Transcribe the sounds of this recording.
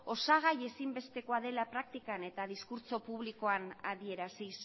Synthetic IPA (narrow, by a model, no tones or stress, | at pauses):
o̞saɣ̞aje̞simbe̞st̪e̞ko̞aðe̞lapɾak̚t̪ikane̞t̪aðiskuɾt͡so̞puβliko̞anaðie̞ɾasis